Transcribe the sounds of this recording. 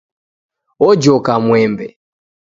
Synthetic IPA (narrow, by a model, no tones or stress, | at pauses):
ɔd͡ʒɔkamwɛmbɛ